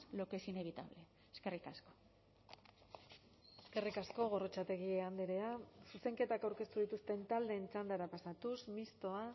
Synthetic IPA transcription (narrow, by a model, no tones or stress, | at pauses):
lokesine̞β̞it̪a̰βle | eske̞rikasko̥ | eske̞rikasko̞ɣ̞o̞rot͡ʃat̪e̞ɣ̞ieand̪eɾeasuse̞ŋke̞t̪akawɾke̞st̪uðit̪ust̪e̞nt̪ald̪e̞ːnt͡ʃand̪aɾapasat̪usmist̪o̞a